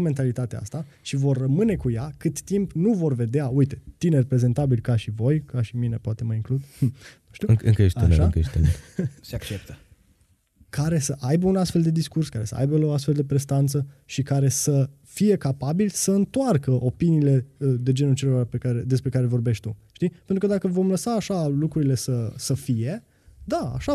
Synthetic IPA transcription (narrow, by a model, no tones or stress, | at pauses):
me̞nt̪alit̪at̪ea̰st̪a | ʃivo̞rːəmɨne̞kujakɨt̪ːimpnuvo̞rve̞d̪eaujt̪e̞t̪ine̞rpɾe̞ze̞nt̪abilkaʃivo̞jkaʃimine̞poat̪e̞məiŋklud̪nuʃt̪iuɨɨ̰ŋkəjeʃt̪eneʃa̰ŋkəjeʃt̪enḛseakt͡ʃep̚t̪ə | kaɾe̞səʔajbəunast̪fe̞ld̪e̞d̪iskurskaɾe̞sə̰a̰jbəoas̬t̪fe̞ld̪e̞pɾe̞st̪ant̪səʃikaɾe̞sə | fije̞kapabilsəɨnt̪oarkəʔopiniːle̞d̪e̞d͡ʒe̞nult͡ʃe̞loɾape̞kaɾed̪e̞spɾe̞kaɾe̞vo̞rbeʃt̪ʲt̪uʃt̪ipent̪ɾukəd̪akəvo̞mləsaːʃalukɾuɾile̞səsəfije̞ | d̪aa̰ʃa